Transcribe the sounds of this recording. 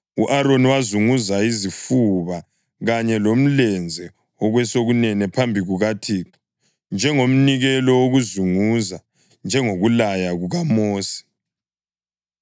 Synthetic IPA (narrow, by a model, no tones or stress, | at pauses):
uʔaɾoniwazuŋuzaizifuβa | ɣaɲɛlom̩lɛnd͡zʱɛ | ɔɣwɛsoɣunɛnɛpʰambʱiɣuɣatʰiːǁɔ̥ | nd͡ʒʱɛŋom̩niɣɛlɔwoɣuzuŋuza | nd͡ʒʱɛŋoɣulajaɣuɣamoːsi̥